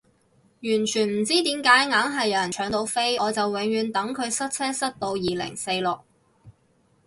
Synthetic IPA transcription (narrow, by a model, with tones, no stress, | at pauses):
jyː˨˩nt͡ʃʰyː˨˩nm̩˨˩t͡siː˥t̪iː˨˥mkaː˨˥jŋaː˨˥ŋɦɐ˨jːɐ˨˧wjɐ˨˩nt͡ʃʰœː˨˥ŋt̪o˨˧wfe˥jɔː˨˧t͡sɐ˨wwɪ˨˥ŋjyː˨˧nt̪ɐ˨˥ŋkʰɵ˨˧ɥsɐ˥t̚t͡sʰɛː˥sɐ˥t̚t̪o˧wjiː˨lɪ̰˨˩ŋse˧jlʊ˨˩k̚